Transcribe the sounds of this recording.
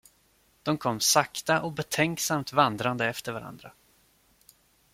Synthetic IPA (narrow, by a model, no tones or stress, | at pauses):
d̪̥ɔmkʰɔmːsakt̪aʔɔbɛt̪ʰɛŋksamt̪vand̪ɾand̪əɛft̪əɾvaɾa̰nd̪ɾa